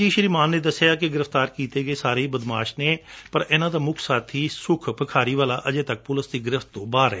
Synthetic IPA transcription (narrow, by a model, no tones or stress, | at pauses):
d͡ʒiːʃəɾiːmaːnːeːd̪əsːejaːkɪɡɪɾəft̪aːɾkiːt̪eːɡəeːsaːɾeibəd̪maːʃneːpəɾɪːnãːd̪aːmʊkʰsaːt̪ʰiːsʊkʰpəkʰaːɾiːʋaːlaːʔəd͡ʒeːt̪ək̚pʊləsd̪iːɡɪɾɪft̪ːõːbaːɾɛː